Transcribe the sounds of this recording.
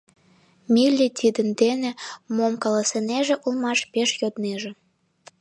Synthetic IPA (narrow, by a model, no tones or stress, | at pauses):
mʲilʲːit̪ʲid̪ə̆nd̪enĕmomkɑlɑseneʒĕʔulmɑʃpeʃjod̪neʒĕ